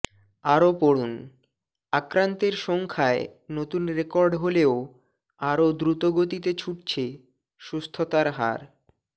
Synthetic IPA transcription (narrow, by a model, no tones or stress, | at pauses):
aɾopoɽun | akɾant̪eɾʃɔŋkʰaenot̪unɾekɔɾɖɦoleo | aɾod̪ɾut̪oɡot̪it̪et͡ɕʰuʈ̚t͡ɕʰe | ʃust̪ʰot̪aɾɦa̰ɾ